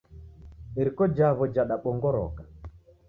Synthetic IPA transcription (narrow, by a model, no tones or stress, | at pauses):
eɾikɔd͡ʒaβɔd͡ʒaɗaɓɔŋɡɔɾɔ̰ka